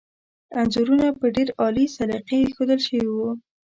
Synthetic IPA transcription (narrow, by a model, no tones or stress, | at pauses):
anzuɾunapəɖeɾɑlisaliqexod̪əlʃəwiwu